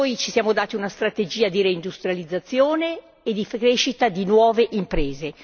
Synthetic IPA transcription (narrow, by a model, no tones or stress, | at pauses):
ojt͡ʃisjaːmod̪aːt̪iunast̪ɾat̪ed͡ʒiːad̪iɾeind̪ust̪ɾjalid̪zːat̪sːjoːneː | d̪ifkɾeʃit̪ad̪inwɔːveʔimpɾeːze